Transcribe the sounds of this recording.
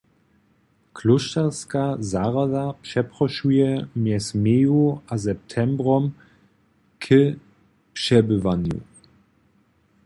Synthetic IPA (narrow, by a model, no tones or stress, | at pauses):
kʰluʃtaʁskazaʁad̪apʂɛpʁɔʃujɛmjɛsmjejuazɛp̚t̪ʰɛmbɾɔm | kʰə | pʂɛbɘvanjṵ